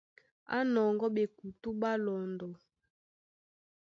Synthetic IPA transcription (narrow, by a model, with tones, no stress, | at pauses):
a̰˦nɔ˨ŋɡɔ˦ɓe˨ku˨tu˦ɓa˦lɔ˨ndɔ˨